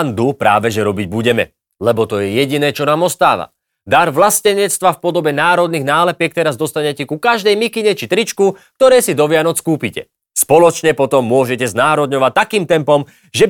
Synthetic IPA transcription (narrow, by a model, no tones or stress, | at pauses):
nd̪upɾa̰ːʋɛʒɛɾɔbiɟbuɟɛmɛ̰ | lɛbɔt̪ɔjɛjɛɟinɛːt͡ʃɔnaːmɔst̪a̰ːʋa̰ | d̪aɾʋlascɛɲɛt͡st̪ʋafpɔd̪ɔbɛnaːɾɔd̪niɣnaːlɛpɪɛk̚t̪ɛɾazd̪ɔst̪aɲɛcɛkukaʒd̪ɛjmikiɲɛt͡ʃit̪ɾit͡ʃkuk̚t̪ɔɾɛːsid̪ɔʋɪanɔt͡skuːpicɛ̰ | spɔlɔt͡ʃɲɛpɔt̪ɔmːʊɔʒɛcɛznaːɾɔd̪ɲɔʋact̪ːakiːmt̪ɛmpɔm | ʒɛ